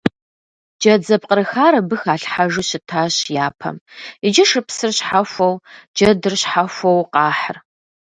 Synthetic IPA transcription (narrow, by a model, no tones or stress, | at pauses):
d͡ʒɐd͡zɐp̚qəɾɨxaːɾɐbɨxaːɬħaʒɨɕɪtʰaːɕjaːpʰɐ̰mid͡ʒɪʂɨpsɨrɕħafʷɐwd͡ʒɐdɨrɕħafʷɐwqɑːħə̰r